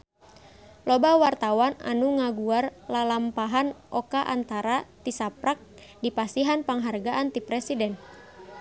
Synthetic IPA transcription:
lɔbawart̪awana̰nuŋaɡuarlalampaɦanʔɔkaʔa̰nt̪aɾat̪isapɾak̚dipasiɦanpaŋɦarɡaʔant̪ipɾɛsidɛn

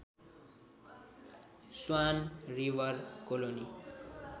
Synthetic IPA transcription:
swanriʋʌrkoloni

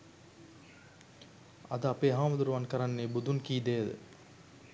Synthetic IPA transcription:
ɐ̰d̪əapeːɦaːmɐd̪uɾuʋankəɾanːeːbud̪unkiːd̪eːd̪ə̰

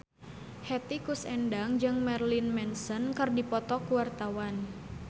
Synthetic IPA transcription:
hɛt̪ikusɛndaŋd͡ʒɨŋmɛrlinmɛnsənkɨrdipɔt̪ɔkuwart̪awan

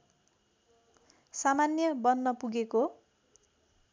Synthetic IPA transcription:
samanjʌbʌnːʌpuɡeko

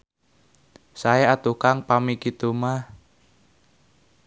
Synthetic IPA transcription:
saeat̪ukaŋpamikit̪umah

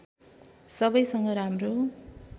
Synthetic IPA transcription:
sʌbʌjsʌŋɡʌɾamro

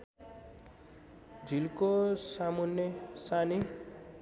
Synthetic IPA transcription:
d͡zʱilkosamunjʌsani

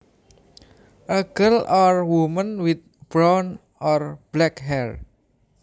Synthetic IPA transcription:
ʔəɡəlɔrwumə̃nwit̪̚b̥ɾɔn | ɔrb̥lɛkɦɛr

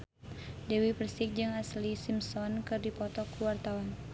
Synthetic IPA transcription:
dɛwipərsik̚d͡ʒɨŋaslisimsɔnkɨrdipɔt̪ɔkuwart̪awan

